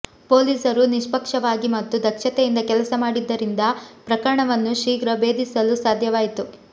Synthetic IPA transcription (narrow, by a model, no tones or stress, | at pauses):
po̞ːliːsɐɾuniʂpɐkʂɐʋaːɡimɐt̪ːud̪ɐkʂɐt̪ejind̪ɐkɛlɐsɐmaːɽid̪ːɐɾind̪ɐpɾɐkɐɾɐɳɐʋɐnːuʃiːɡɾɐbe̞ːd̪isɐlusaːd̪ʱjɐʋaːjit̪u